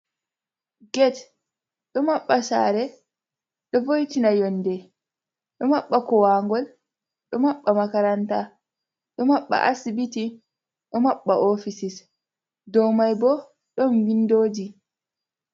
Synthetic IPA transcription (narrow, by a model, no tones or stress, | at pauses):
ɡɛt | ɗɔmaɓːasa̰ɾɛ | ɗɔvojtinajɔnːdɛ | ɗɔmaɓːakɔwaːŋɡɔl | ɗɔmaɓːamakaɾanta | ɗɔmaɓːa̰ʔasibiti | ɗɔmaɓːaʔofisis | dɔwmajbɔ | ɗɔnwindoːd͡ʒi